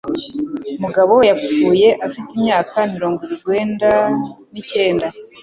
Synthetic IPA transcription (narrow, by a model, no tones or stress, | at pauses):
muɡaβo̞wjap͡fuːje̞ʔafitimɲaːkamiɾo̞ːŋɡoɡwe̞ːndanice̞ːnda